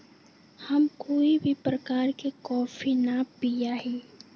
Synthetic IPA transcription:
hɐmkoːibʱipɾəkaːɾkekɔːfinapijaɦiː

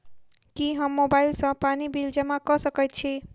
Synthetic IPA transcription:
kiɦʌmːobailsʌ̃panibild͡ʒʌmakʌsʌkejt̪̚t͡ʃʰi

